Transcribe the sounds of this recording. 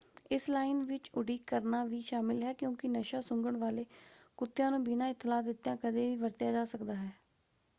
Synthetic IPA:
ɪslaːɪnʋɪt͡ʃʊɽiːkːəɾnaːʋiːʃaːmɪlɦɛːkjõːkɪnəʃaːsʊŋɡəɳʋaːleːkʊt̪ːjãːnũːbɪnãːɪt̪ːɪlaːd̪ɪt̪ːjãːkəd̪eːʋiːʋəɾt̪jaːd͡ʒaːsəkd̪aːɦɛː

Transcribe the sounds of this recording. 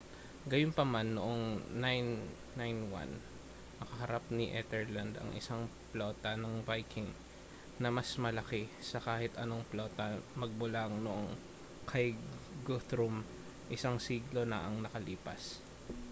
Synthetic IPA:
ɡɐjonpɐmanːoʔoŋnajnː | ajnwa̰n | ʔɐkɐɦɐɾap̚niʔɛt̪ɛɹland̪ɐ̰ŋʔɪ̰saŋplo̞ːt̪ɐnɐŋvajkʰɪŋ | nɐmɐsmɐlɐkɛsɐkaːhɪt̪ɐno̞ŋploːt̪ɐmɐɡ̚bʊlaŋnoʔoŋ | kʰajɡut̪ɾum | ʔɪsaŋsiːɡlo̞nɐʔɐŋnɐkɐliːpɐ̰s

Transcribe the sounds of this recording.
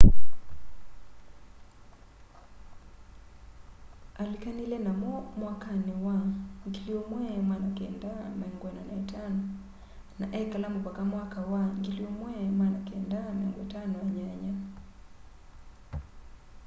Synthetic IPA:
alikanilɛnamɔmwakanɪwaŋɡiliomwɛmwanakɛndamaɛŋɡwɛnanaitanɔ | naʔɛkalamopakamwakawaŋɡiliomwɛmwanakɛndamɛaŋɡoɛtanɔaɲaɲa

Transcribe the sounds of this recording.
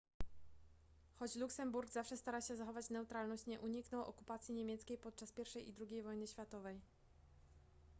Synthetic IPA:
xɔt͡ɕluksɛmbuɾɡzafʂɛst̪aɾaɕɛzaxɔvat͡ɕnɛwt̪ɾalnɔɕt͡ɕɲɛʔuɲiknɔ̃wʔɔ̰kupat̪sʲjiɲemʲjɛt̪skʲejpɔt̪̚t͡ʂaspʲjɛɾfʂɛjʔḭd̪ɾuɡʲejvɔjnɘɕfʲjat̪ɔvɛj

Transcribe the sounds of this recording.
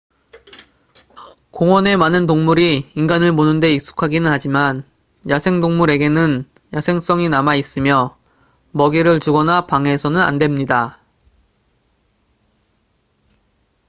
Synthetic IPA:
koŋwʌne̞manɯntoŋmuɾiːŋɡanɯɭmonɯnde̞ik̚s͈u̥kʰaɡinɯnhad͡ʑiman | jasʰe̞ŋdoŋmuɾe̞ɡe̞nɯn | jasʰe̞ŋs͈ʌŋinamais͈ɯmjʌ | mʌɡiɾɯɭt͡ɕuɡʌnapaŋɦe̞sʰʌnɯna̰ndwe̞mɲida

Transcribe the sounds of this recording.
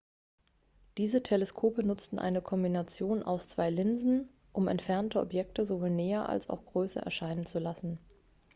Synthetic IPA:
d̥iːzətʰeleskʰoːpənʊt͡stn̩ʔa̰ɪnəkʰɔmbinat͡sjoːnʔa̰ʊst͡sv̥aɪlɪnzn̩ | ʔʊmɛ̰ntfɛɐntəʔɔ̰pjɛk̚təzovoːlnɛːɐʔa̰lsa̰ʊxɡ̥ʁøːsɐ̰ʔɛ̰ɐʃaɪnənt͡sulasn̩

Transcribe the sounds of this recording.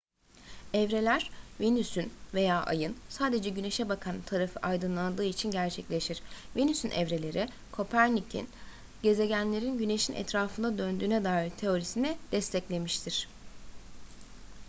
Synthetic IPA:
ɛvɾe̞lʲæɾ̥venysynve̞jaːʔa̰jɯnsaːd̪e̞d͡ʒɛɟyne̞ʃɛbakʰant̪ʰaɾafɯʔajd̪ɯnlˠand̪ɯːit͡ʃʰinɟæɾt͡ʃʰɛclʲe̞ʃiɾ̥venysynʔɛ̰vɾe̞lʲe̞ɾi | kʰo̞pʰæɾnʲic̪ʰḭn | ɟe̞ze̞ɟænlʲe̞ɾinɟyne̞ʃinʔɛ̰t̪ɾaːfɯnd̪ad̪ønd̪yːnɛd̪aːiɾt̪ʰːe̞o̞ɾisinid̪̥ɛst̪ʰɛclʲe̞miʃt̪ʰiɾ̝̥

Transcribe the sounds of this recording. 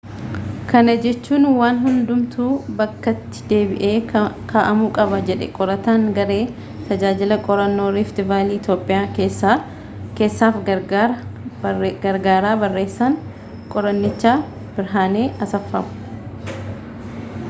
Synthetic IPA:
kʰɐnɐd͡ʒɛt͡ʃːuːnwaːnɦʊnd̪ʊmt̪uːbɐkːɐt̪ːɪ̥d̪e̞ːbɪʔe̞ːkʰaːʔɐmuːkʼɐbɐd͡ʒɛᶑɛ̰kʼɔɾɐt̪aːŋɡɐɾe̞ː | t̪ɐd͡ʒaːd͡ʒɪlɐkʼɔɾɐnːo̞ːɾɪft̪ɪvaːliːt̪jo̞ːpʼːɪjaːes | ke̞ːsːaːfɐ | ɡɐɾɡaːɾaːbɐrːe̞ːsːaːŋ | kʼɔɾɐnːɪt͡ʃːaː | bɪɾɦaːne̞ːɐsɐfːɐmʊ̥

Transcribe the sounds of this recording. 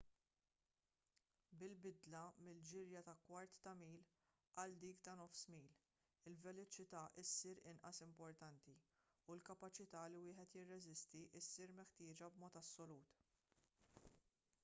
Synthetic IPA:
bɪlbɪd̪lɐmɪld͡ʒɪɾjɐt̪ɐkwɐɾt̪ːɐmiːl | ʔɐld̪iːkt̪ɐnɔfsmiːl | ɪlvɛlɔt͡ʃɪt̪ɐːʔɪsːiːɾɪnʔɐsɪmpɔɾt̪ɐnt̪i | ulkɐpɐt͡ʃɪt̪ɐːlɪwɪːħɛt̪jɪrːɛzɪst̪iʔɪsːiːɾmɛħt̪ɪːd͡ʒɐbmɔːt̪ɐsːɔluːt̪

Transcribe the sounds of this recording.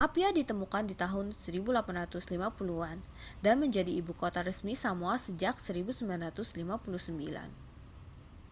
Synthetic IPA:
ʔapiadit̪əmukandit̪aɦʊnsəɾibulapanrat̪ʊslimapuluan | danməɲd͡ʒadiːbukot̪aɾəsmisamuasəd͡ʒak̚səɾibusəmbilanrat̪ʊslimapuluhsəmbila̰n

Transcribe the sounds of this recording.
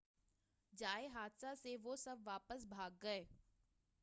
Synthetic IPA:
d͡ʒaːeɦaːd̪saseʋosɐbʋaːpəsbʱaːɡːɐeː

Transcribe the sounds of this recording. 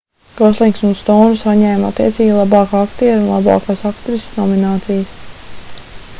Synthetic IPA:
ɡ̥ɔslˠiŋksunst̪ɔːnusaɲɛːmat̪ːiɛt̪siːɡʲilˠabɑːkakt̪iɾunlˠa̰bɑ̰ːkaːsakt̪ɾisnoɔminɑːt̪sijəs

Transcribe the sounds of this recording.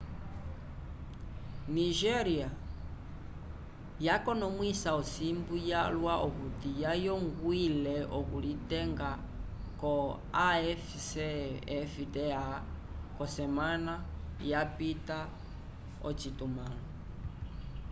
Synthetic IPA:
niʒɛɾia | jakɔnɔmwisaɔsimbujalwaʔɔkutijajɔŋɡwilɛɔkulitɛŋɡa | kɔ | aɛf | sɛɛfitɛa | kɔsɛmana | japita | ɔt͡ʃitumalɔ

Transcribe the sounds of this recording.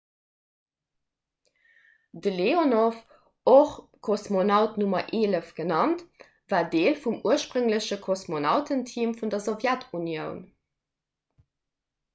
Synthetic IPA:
dəleonof | oχ | kʰosmonɑʊtnumɐʔeːləfɡ̥ənɑnt | vaːdeːlfumuəʃpʁəŋləɕəkʰosmonɑʊtʰəntʰiːmfundɐzovjætʰunjəʊn

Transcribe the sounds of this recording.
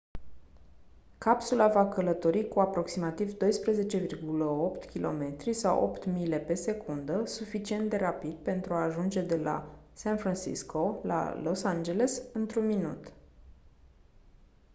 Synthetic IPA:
kapsulavakələt̪o̞ɾikuapɾo̞ksimat̪ivd̪o̞jspɾeze̞t͡ʃe̞virɡuləo̞pt̪kʲilʔo̞me̞t̪ɾisawʔo̞̰pt̪mile̞pe̞se̞kund̪əsufit͡ʃie̞nd̪e̞ɾapid̪̚pe̞nt̪ɾuaːʒund͡ʒe̞d̪e̞la̰ | sanfɾansḭskʰo̞la̰losand͡ʒe̞lesɨnt̪ɾunminut̪

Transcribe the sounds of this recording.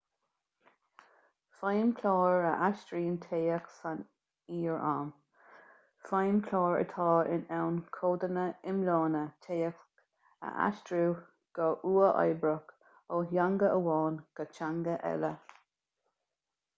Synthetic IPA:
fajmkʰlɑːɹəʔaʃtɹiːnt̪ʰeːəksan | iːɹaːm | fajmkʰlɑːɹə̰t̪ʰɑːɪ̰nɛwnkʰoːd̪ənəɪmlɑːnət̪ʰeːək | ə̰ʔa̰ʃtɾuː | ɡ̥ɔʔuːəʔɑ̰jbɹək | oːɦjaŋɡəəwɑːnɡ̥ət͡ʃaŋɡəʔɛ̰lə

